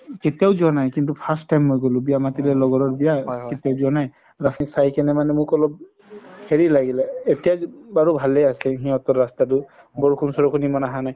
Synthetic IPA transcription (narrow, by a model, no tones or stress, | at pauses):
ketijaʊzuanajkintupʰastːajmːojɡolʊ̃bijamatilɛlɔɡɔɹɔɹbijaketijaʊzuanaj | ɹasnisajkɛnɛmanɛmʊkɔlɔp̚ | heɹilaɡilɛːtijabaɹubʱaleasɛɦĩɦɔtɔɹastatʊ | bɔɹkʰunsɔɹɔkʰunimɔnaɦanaj